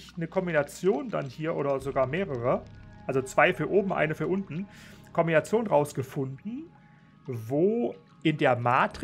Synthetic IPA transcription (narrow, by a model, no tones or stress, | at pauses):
çnəkʰɔmbinat͡sjoːnda̰nhiːɐʔo̰ːdɐzoɡaːɐmeːʁəʁəʔalzot͡sv̥aɪfyːɐʔoːbm̩ʔa̰ɪnəfyːɐʔʊntn̩kʰɔmbinat͡sjoːnʁaʊsɡ̥əfʊndn̩ | voː | ʔɪndeːɐmaːtʁ